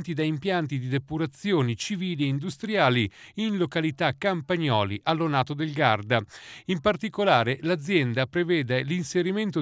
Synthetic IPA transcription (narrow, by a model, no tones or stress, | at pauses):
nt̪id̪aimpjant̪id̪id̪epuɾat̪sːjoːnit͡ʃiviːlieind̪ust̪ɾjaːliinlokalit̪akːampaɲːɔːliʔalːonaːt̪od̪elɡard̪aimpart̪ikolaːɾelad̪zːjɛnd̪apɾevɛːd̪elinseɾiment̪o